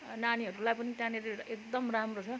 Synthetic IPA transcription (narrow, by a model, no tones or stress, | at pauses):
naniɦʌɾulajpʌnit̪jãneɾeʔek̚d̪ʌmramrot͡sʰʌ